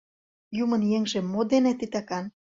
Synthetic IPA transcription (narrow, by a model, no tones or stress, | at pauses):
jumə̆njeŋʒĕmːod̪enĕt̪it̪ɑkɑn